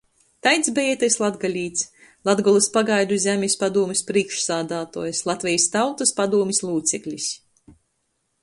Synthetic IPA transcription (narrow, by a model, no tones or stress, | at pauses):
t̪ajt̪sbejɛt̪ajslˠad̪ɡalʲiːt̪s | lˠad̪ɡɔlˠɨspaɡajd̪uzʲæmʲisʲpad̪uɔmʲispɾiːkʃsaːd̪aːt̪o̰ːjɐslˠat̪vʲɛjst̪awt̪ɐspad̪uɔmʲislˠuːt̪sɛklʲis